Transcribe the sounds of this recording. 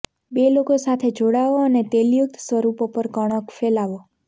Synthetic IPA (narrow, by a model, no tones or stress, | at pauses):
belokosat̪ʰed͡ʒoɽaʋoənet̪eljʊk̚t̪ʰsʋəɾupopəɾkəɽ̃əkfelaʋo